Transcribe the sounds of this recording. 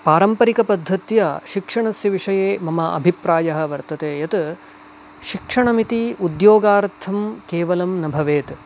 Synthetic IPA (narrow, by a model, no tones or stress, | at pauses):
paːɾɐmpɐɾikɐpɐd̪ʱːɐt̪jɐʃikʂɐɳɐsjɐʋiʂɐjeːmɐmɐʔɐ̰bʱipɾaːjɐɦɐ̆ʋɐɾt̪ɐt̪eːjɐt̪ | ʃikʂɐɳɐmit̪iud̪joːɡaːɾt̪ʰɐmkeːʋɐlɐmnɐbʱɐʋeːt̪